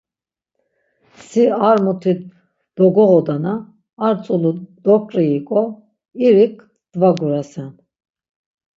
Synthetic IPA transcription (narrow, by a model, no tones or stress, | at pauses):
siaɾmut̪ʰi | d̪̥ɔɡɔʁɔd̪anaː | ɾt͡sʼulud̪ɔkʼɾiːkʼɔ | iɾikʰʼ | d̪̥vaɡuɾasɛn